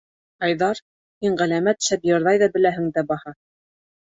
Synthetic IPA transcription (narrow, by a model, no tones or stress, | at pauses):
ɑjðɑɾ | hiɴʁælæmæt̪ʃæpjɤ̆ɾðɑjðɑbɘ̆læɦɘ̆ŋd̪æbɑhɑ